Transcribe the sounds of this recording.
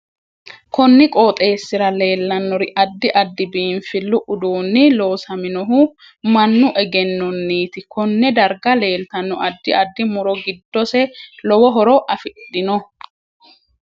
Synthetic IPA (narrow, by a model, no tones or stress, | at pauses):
kɔnːɪkʼoːt̪ʼe̞ːsːɪɾɐle̞ːlːɐnːɔɾɪʔɐd̪ːɪʔɐd̪ːɪbiːnfɪlːʊʔʊd̪uːnːɪlo̞ːsɐmɪnɔɦʊ | mɐnːʊʔɛɡɛnːɔnːiːt̪ɪkɔnːɛd̪ɐɾɡɐle̞ːlt̪ɐnːɔɐd̪ːɪʔɐd̪ːɪmʊɾɔɡɪd̪ːɔsɛlɔwɔɦɔɾɔʔɐfɪᶑɪnɔ